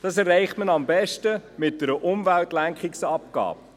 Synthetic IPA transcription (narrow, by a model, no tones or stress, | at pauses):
d̥ɑs̬ɛrːɛɪχtmənɑmbɛʃtəmɪt̚dəɾəʔʊmvæltlæŋkχiksɑp̚ɡ̥ɑ̰ːp̚